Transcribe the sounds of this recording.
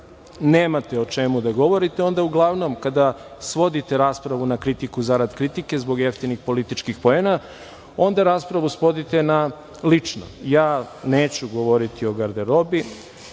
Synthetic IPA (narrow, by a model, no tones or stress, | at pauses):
neːmat̪eo̞t͡ʃemud̪aɡo̞ʋo̞ɾit̪eo̞nd̪auɡlˠaʋno̞mkad̪asʋo̞d̪it̪e̞ɾaːspɾaʋunakɾit̪ikuzaɾad̪kɾit̪ike̞zbo̞ɡjeft̪inixpo̞lit̪it͡ʃkixpo̞ena | o̞nd̪aɾaːspɾaʋusʋo̞d̪it̪e̞na | lit͡ʂno̰jaːne̞ːt͡ɕuɡo̞ʋo̞ɾit̪ʰio̞ɡaɾd̪eɾo̞bi